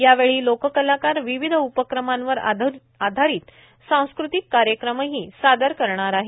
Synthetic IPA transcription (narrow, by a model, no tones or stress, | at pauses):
jaʋeɭiːlokəkəlakaɾʋiʋid̪ʱəupəkɾəmãnʋəɾ | ad̪ʱaɾiːt̪ | sãw̃skɾut̪ikːaɾjəkɾəməɦiːsad̪əɾkəɾɳaɾaɦe